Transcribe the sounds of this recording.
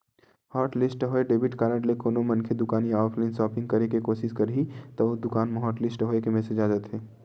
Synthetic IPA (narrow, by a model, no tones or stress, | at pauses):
hɔːʈlɪsʈɦoeɖeːbɪʈkaːɾə̃ʈlekoːnomɐ̃nkʰed̪ʊkaːnijɔːpʰlaɪnsɔːpɪ̃ŋɡ̚kɐɾekekoːʃɪskɐɾit̪ɔod̪ʊkaːnmeɦɔːʈlɪsʈɦoːekemɛsed͡ʒaːd͡ʒət̪ɦeː